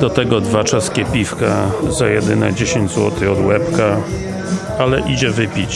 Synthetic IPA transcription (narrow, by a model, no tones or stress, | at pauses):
d̪ɔt̪ɛɡɔd̪vat͡ʂaskʲɛpʲifkazajɛd̪ɘnɛ̰d͡ʑeɕeɲd͡ʑzwɔ̰t̪ɘɔd̪wɛpka | alɛʔid͡ʑɛvɘpʲit͡ɕ